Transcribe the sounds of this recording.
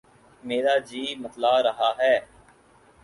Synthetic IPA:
meːɾaːd͡ʒiːmət̪laːɾəɦaːɦɛː

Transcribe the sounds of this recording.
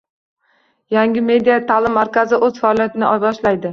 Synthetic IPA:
jaŋʲɪme̞d̪ijat̪ʰalɪmːaɾkʲʰazɪʔɵzfaɒːlijat̪ʰɪnɪʔɒjbɒʃlajd̪ɪ

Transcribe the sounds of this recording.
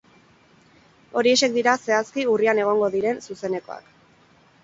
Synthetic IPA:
o̞ɾie̞ʃe̞k̚d̪iɾase̞askiuriane̞ɣ̞o̞ŋɡo̞ðiɾe̞nsuse̞ne̞ko̞̰a̰k

